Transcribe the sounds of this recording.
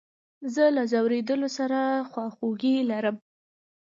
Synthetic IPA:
zəlazawɾed̪əlosaɾaxwɑxoɡilaɾəm

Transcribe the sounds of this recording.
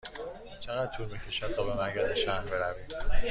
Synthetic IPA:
t͡ʃʰe̞ɣæd̪̚t̪ʰuːɾbecʰe̞ʃæd̪t̪ʰɒːbemæɾcʰæzeʃæhbe̞ɾæviːd

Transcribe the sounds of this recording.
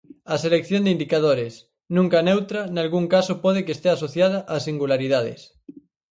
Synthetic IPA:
aselek̚θjond̪eind̪ikað̞oɾes | nũŋkanewt̪ɾanalɣuŋkasopɔð̞ekest̪easoθjaðaʔasiŋɡulaɾiðað̞ɪ̰s

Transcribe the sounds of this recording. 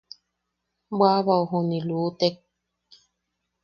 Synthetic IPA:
bwaβauɦunilut̪ek̚

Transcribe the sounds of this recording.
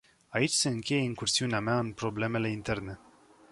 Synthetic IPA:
ait͡ʃʲse̞ɨŋkʲe̞jeiŋkursiuneameaɨnpɾo̞ble̞me̞le̞int̪e̞rne̞

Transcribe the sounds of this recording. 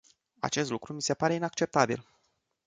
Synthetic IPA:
a̰t͡ʃe̞st̪lukɾumise̞paɾe̞inak̚t͡ʃe̞p̚t̪abḭl

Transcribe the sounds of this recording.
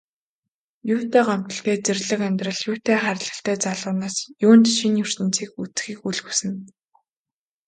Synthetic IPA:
juːt̪eːɢam̥t̪ə̆ɬt̪eːt͡serɮɘ̆kæmʲt̪rə̆ɮjʊːt̪eːχæɾʲɪ̆ɮə̆ɬt̪æːt͡saɮʁʊːnaːsjuːn̥t̪ʃinjɵr̥sɘ̆nt͡siːkut͡sxiːkuɮɣusɘ̆n

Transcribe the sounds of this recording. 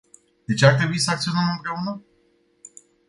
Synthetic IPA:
d̪̥e̞t͡ʃeart̪ɾebuitsəak̚t̪sio̞nəmɨmpɾe̞unə

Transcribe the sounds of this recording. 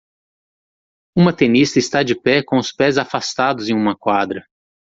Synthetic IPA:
ũmɐt̪enist̪ɐɪst̪ad͡ʒɪpɛkõʊspɛzafast̪ad̪ʊzẽj̃ũmɐkwad̪ɾɐ

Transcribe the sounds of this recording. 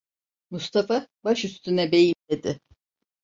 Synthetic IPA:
must̪ʰafabaʃyst̪ʰynɛbe̞jimd̪e̞d̪ɪ

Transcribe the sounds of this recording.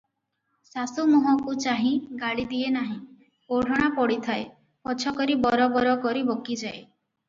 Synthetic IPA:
sasumuɦɔkut͡ʃaɦĩɡaɽid̪ienaɦĩ | oɽ̤ʱɔɽ̃apɔɽit̪ʰae | pɔt͡ʃʰɔkɔɾibɔɾɔbɔɾɔkɔɾibokid͡ʒae

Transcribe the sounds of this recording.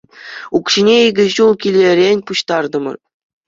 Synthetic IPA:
ukɕinʲeiɡʲɘ̆ʑulˠkʲilʲeɾʲenʲpuɕt̪ɑrd̪ɤ̆mɤ̰̆r

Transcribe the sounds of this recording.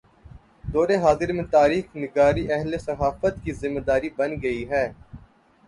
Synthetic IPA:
d̪ɔːɾeɦaːzɪɾmẽt̪aːɾiːxnɪɡaːɾiʔɛɦlesɐɦaːfət̪kizɪmːed̪aːɾibɐnɡɐiɦɛː

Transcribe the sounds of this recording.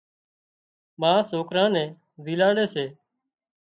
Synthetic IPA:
mãːsoːkɾãːnɛ̃ː | ʋiːlaːɽeːseː

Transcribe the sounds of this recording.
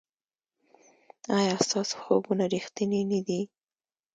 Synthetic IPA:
ɑjɑst̪ɑso̥xoɡunaɾixt̪ənenad̪i

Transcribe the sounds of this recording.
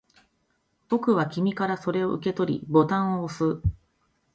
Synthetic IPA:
b̥o̞kɯ̟β̞akʲimʲikaɾaso̞ɾe̞o̞̰ʔɯ̟ke̞t̪o̞ɾʲḭbo̞t̪ãɰ̃oːsɨ

